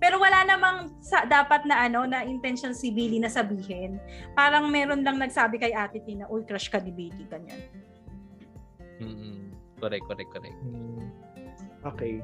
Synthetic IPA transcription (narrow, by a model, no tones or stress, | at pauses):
pɛːɾo̞wɐlanɐmɐŋsɐd̪aːpɐt̪̚nɐʔɐno̞nɐʔɪnt̪ɛnʃonsɪbiːlinɐsɐbiːɦɪnpaːɾɐŋmɛːɾo̞nlɐŋnɐɡ̚saːbɪkɐjʔaːt̪ɪt̪ɪnɐʔojkɾaʃkɐd̪ɪbejt̪ɪɡɐɲa̰n | m̩ːkoɾɛk̚kːoɾɛk̚ːoɾɛ̰k̚ | ʔoːkɛj